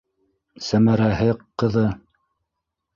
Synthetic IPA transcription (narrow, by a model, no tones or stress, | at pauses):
sæmæɾæhɘqːɤ̆ðɤ